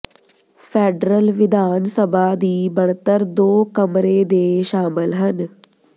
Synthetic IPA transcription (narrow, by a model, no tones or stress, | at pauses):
pʰeːɖɾəlʋɪd̪aːnsəbaːd̪iːbəɳt̪əɾd̪oːkəmɾeːd̪eːʃaːmɪlɦən